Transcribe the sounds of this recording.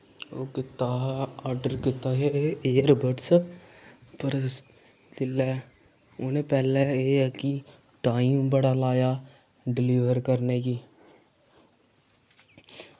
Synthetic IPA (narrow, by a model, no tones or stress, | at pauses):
okɪt̪aaːɾɖəɾkɪt̪aɦeeːəɾbəʈs | pəɾ | d͡ʒɪle | ʊnẽpɛːleeki | ʈaːimbəɽalaːja | ɖɪliːʋəɾkəɾnekiː